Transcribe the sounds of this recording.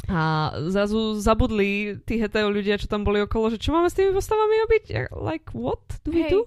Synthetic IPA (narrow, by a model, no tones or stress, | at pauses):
azɾazuzabud̪lit̪iːɦɛt̪ɛuʎuɟɪat͡ʃɔ̥t̪ambɔliɔkɔlɔʒɛt͡ʃɔmaːmɛst̪iːmipɔst̪aʋamiɔbiɟa̰la̰jkʋɔt̪d̪̥uʋid̪u